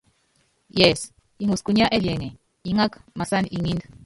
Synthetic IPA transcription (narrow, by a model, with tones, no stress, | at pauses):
jɛ˨s | i˨ŋu˨sku˨ɲa˦ʔɛ˦liɛ˨ŋɛ˨ | i˨ŋa˦kama˨sa˦ni˨ʔi˨ŋi˦nda